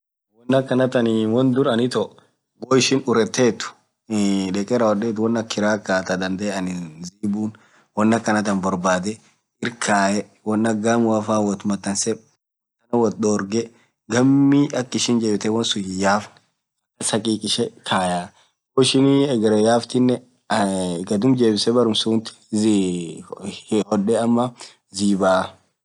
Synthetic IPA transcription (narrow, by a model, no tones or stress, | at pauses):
wɔnːɐkːɐnɐt̪ɐnɪwɔnd̪ʊɾɐnɪt̪ɔ | ɡoːɪʃɪnʊɾɛt̪ːeːt̪ːʊ̥ | ᶑɛkʼɛɾɐwɔɗeːt̪̬ʊwɔnːɐkːɪɾaːkːaːt̪ɐd̪ɐnd̪ɛɐnɪziːbuːn | wɔnːɐkːɐnɐt̪ɐnbɔɾbaːd̪ɛ | ɪɾkʰaːʔɛ | wɔnːɐɡːaːmwaːfaːwɔt̪ʊmɐt̪ːɐnsɛ | t̪ːɐnɐwɔd̪oːɾɡɛ | ɡɐmːiːɐkːɪʃɪnd͡ʒeːbɪt̪ɛwɐnsʊjɪjaːfn | ɐkːɐsɐkʼiːkʼɪʃɛkʰaːjaː | oːɪʃɪniɛɡɾɐjaːft̪ɪnːɛ | ɡɐd̪ʊmd͡ʒeːbɪsɛbɐɾʊmsuːnt̪ɪ̥ | hɔᶑɛɐmːɐ | ziːbaː